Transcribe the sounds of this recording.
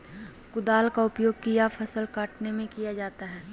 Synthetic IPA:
kʊd̪aːlkaʊpjoːɡ̚kijafʰɐsəlkaːʈnemẽkijad͡ʒaːt̪aɦɛː

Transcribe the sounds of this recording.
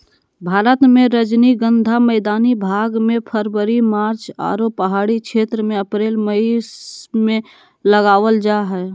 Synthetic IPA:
bʱaːɾət̪mẽɾəd͡ʒniɡə̃nd̪ʱamɛːd̪aːnibʱaːɡmẽpʰəɾwəɾimaːɾt͡ʃa̰ːɾopːəɦaːɽikʃʰeːt̪ɾəmẽəpɾeːlməismẽ | ləɡaːʋəld͡ʒaɦɛː

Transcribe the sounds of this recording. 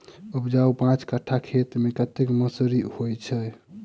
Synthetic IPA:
upd͡ʒaupãt͡ʃkəʈʰːakʰet̪mekət̪ːekməsəɾihojt͡ʃʰɛ

